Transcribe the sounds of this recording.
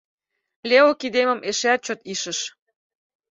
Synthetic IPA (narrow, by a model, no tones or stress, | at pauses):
lʲeokid̪emə̆meʃæt̪̚t͡ɕot̪iʃə̆ʃ